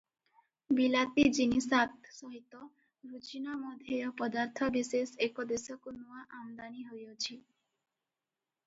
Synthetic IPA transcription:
bilat̪id͡ʒinisat̪sɔɦit̪ːɔ | ɾut͡ɕinamɔd̪ʱeɔpɔd̪aɾt̪ʰɔbesesekod̪esɔkonuaʔamd̪aniɦojot͡ɕʰi

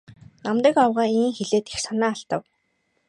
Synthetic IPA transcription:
namt̪ə̆kawʁaːiŋxeɮeːt̪e̥xsanæːaɬt̪ə̆w

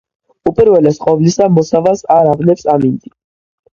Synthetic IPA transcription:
upʼiɾvɛlɛsqʼɔvlisamɔsavasaɾavnɛpsamind̪i

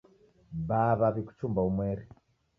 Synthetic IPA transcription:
βaβaβiku̥t͡ʃumbaumwɛɾi

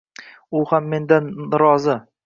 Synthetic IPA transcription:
ʊhamːe̞nd̪anɾɒzɪ

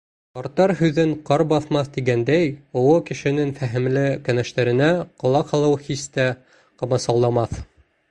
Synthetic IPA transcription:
qɑɾt̪ːɑɾɦʉðɘɴqɑɾbɑθmɑθt̪iɡænd̪æjŏwɤkɘ̆ʃɘ̆nɘŋfæɦɘ̆mlɘkænæʃt̪æɾɘ̆næqŏlˠɑqhɑlˠɤwhist̪æ | qɤ̆mɑsɑllˠɑmɑθ

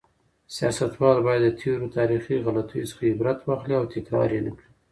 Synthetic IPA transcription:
sijɑsat̪wɑlbɑjad̪ːət̪ʰeɾot̪ʰɑɾixiɣalat̪ʰujsə̥xaɪbɾat̪wɑxliawt̪ɪkɾɑ̰ɾenəkɽi

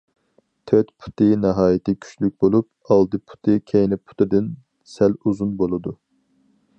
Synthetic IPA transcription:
t̪ʰøt̪pʰu̥t̪ʰɨnɛɦɑːjit̪ʰɪkʲʰy̥t͡ʃlyk̚ʲbolˠup̚ | ɑlˠd̪ɨpʰu̥t̪ʰɨkʲʰejnɛpʰu̥t̪ʰɨd̪ɨn | sɛluzunbolˠɨd̪u

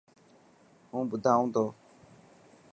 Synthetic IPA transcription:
ɦũːbʊd̪ʱaːũːd̪oː

